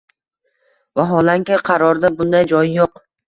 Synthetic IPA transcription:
vaɦɒlaŋkʲɪqʰɑɾɒɾd̪abʊnd̪ajd͡ʒɒjjoq

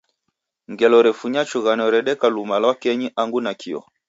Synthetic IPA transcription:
ŋɡɛlɔɾɛfuɲat͡ʃuɣanɔɾɛɗɛkalumalwakɛɲiʔaŋɡunakʰiɔ̰

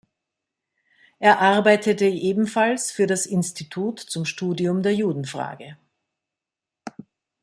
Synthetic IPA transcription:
ʔeːɐʔaɐbaɪtʰətəʔeːbm̩falsfyːɐɾasɪnstitʰuːtt͡sʊmʃtuːdiʊmdeːɐjuːdn̩fʁ̥a̰ːɡə

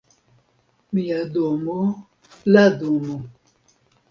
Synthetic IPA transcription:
mijadomo | ladomo

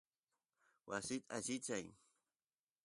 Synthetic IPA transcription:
wasɪt̪at͡ʃɪt͡ʃaj

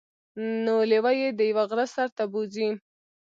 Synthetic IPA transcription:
nolewajed̪əjawaɣɾasaɾt̪abozi

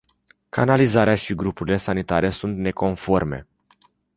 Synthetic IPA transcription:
kʰanalizaɾeaʃiɡɾupuɾile̞sanit̪aɾe̞sunt̪ne̞ko̞nfo̞rme̞̰

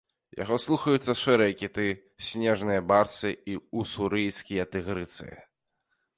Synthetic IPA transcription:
ja̰ɣɔslˠuxɐjut̪sːɐʂɛɾɨjɐkʲit̪ɨ | sʲnʲɛʐnɨjɐbarsɨiusuɾɨjskʲijɐt̪ɨɣɾɨt̪sɨ̰jɐ̰

